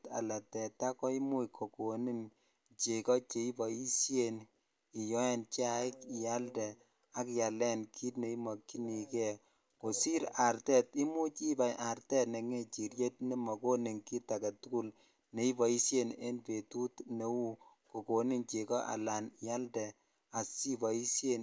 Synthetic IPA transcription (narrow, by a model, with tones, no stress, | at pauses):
ta̰˨la˨tɛ˨ta˦kɔ˦i˦mu˦ikʰo˨ko˨ni˦n | t͡ʃe˨kɔ˦t͡ʃe˨i˦bɔ˨i˦sje˨n | i˨jɔ˦ɛ˨nt͡ʃa˨i˦kɪ˨ja˦ldɛ˨ | a˦kja˨lɛ˦nkʰi˦tne˨i˦mɔ˨kːi˦ni˨kɛ˦ | ko˨si˦ɾa˨ɾtɛ˦ti˦mu˦t͡ʃi˦ba˨jʔa˨ɾtɛ˦tne˨ŋe˦t͡ʃi˨ɾje˦t̚ni˦mɔ˨ko˦ne˨ŋki˦ta˨ka˨tu˦ku˦l | ne˨i˦bɔ˨i˦sje˦ne˦npe˨tu˦tne˨wu˦ko˨ko˨ni˦nt͡ʃe˨kɔ˦ʔa̰˨la˨nja˦ldɛ˨ | a˨si˦bɔ˨i˦sje˦n